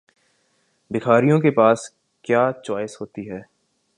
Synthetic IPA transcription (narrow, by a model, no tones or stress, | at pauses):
bɪkʰaːɾijõkepaːs | kjaːt͡ʃɔːɪsɦoːt̪iɦɛː